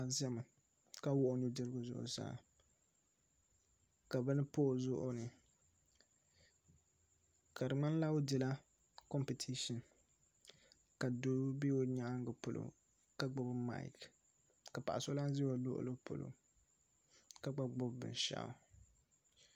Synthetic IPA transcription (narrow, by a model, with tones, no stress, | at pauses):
a˨zɛ˦ma˨ | ka˦wʊ˦ʔʊ˦nɨ˦dɨ˦ɾɨ˦ɡʊ˦zʊ̰˨ʔʊ̰˨sa̰˨ | ka˨bɨ˦nɨ˦poː˦˨zʊ˦ʔʊ˦nɨ˨ | ka˨dɨ˨ŋ͡ma˦n˦la˦ʊ˦dɪ˨la˦ | kɔ˦mpi˨tʰi˦ʃɔ˨n | ka˨do˦bi˦o˦ɲa˦ŋ˦ɡɨ˨pʊ˨lo̰˨ | ka˦ɡ͡bʊ˦bma̰˦˨ɪ̰˦˨k | ka˨pa̰˨ʔa˨so˦la˦n˦zi˦o˨lʊ̰˦ʔʊ̰˦lɨ˦pʊ̰˨lo̰˨ | ka˦ɡ͡ba˦ɡ͡bʊ˦bbɨ̰˨n˨ʃa̰˨˦˨